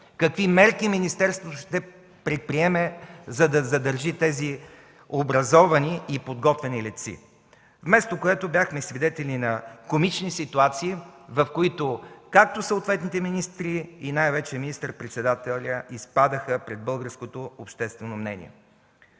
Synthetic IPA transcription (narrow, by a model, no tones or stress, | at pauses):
kɐkvimɛɾkiminist̪ɛɾst̪voʃt̪ɛ | pɾɛt̪̚pɾiɛmɛzɐd̪ɐzɐd̪əɾʒit̪ɛzi | obɾɐzɔvɐniːpod̪ɡɔt̪vɛnilit̪sḭ | vmɛst̪okoɛt̪obʲjaxmɛsvid̪ɛt̪ɛlʲnʲinɐkomit͡ʃnisit̪uat̪siːvɐfkoit̪okak̚t̪osəot̪vɛt̪nit̪ɛminist̪ɾiinajvɛt͡ʃɛminist̪əɾpɾɛt̪sɛd̪at̪ɛlʲəispad̪əxəpɾɛd̪̚bɤlˠɡəɾskot̪oopʃt̪ɛst̪vɛnomnɛ̰nʲḭɛ̰